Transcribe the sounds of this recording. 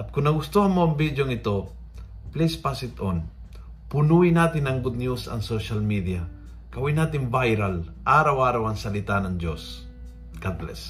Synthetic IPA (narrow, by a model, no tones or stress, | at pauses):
ʔɐt̪̚kʊnnɐɡʊst̪ohɐnmoɐŋbid̪joŋɪt̪o | plispasɪt̪on | pʊnuɪnaːt̪ɪnɐŋɡʊd̪̚njusɐ̰ŋsoʃalmid̪ija | kɐwinaːt̪̬ɪnvajɾalʔaːɾawaːɾawɐŋsɐlɪt̪anɐŋd͡ʒos | ɡ̥ad̪lɛ̰s